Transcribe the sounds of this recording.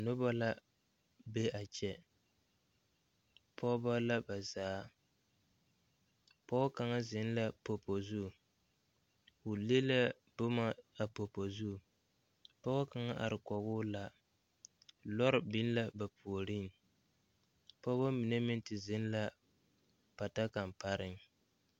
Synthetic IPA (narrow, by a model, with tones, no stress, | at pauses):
a˨nʊ˦ba˦la˦ | be˦a˨t͡ʃɛ˦ | pʰɔ˦ba˦la˦ba˨zaː˨˦ | pɔ˦ka˨ŋa˦zɪ˨˦n˦la˦po˨po˨zu˦˨ | ʊ˨le˦la˦ | bʊ˦ma˦a˨po˨po˨zu˦˨ | pɔ˦ka˨ŋa˦ʔa̰˨ɾɪ˨kɔ˨ɣʊː˦la˨ | lɔ˦ɾɪ˨bi˦n˦la˦ba˨pʰu˨o˨ɾi˦ŋ˨ | pɔ˦ba˦mi˨ne˦mɪ˦n˦tɪ˨zɪ˦n˦la˦ | pa˨ta˦ka˨mpa˦ɾɪ˦ŋ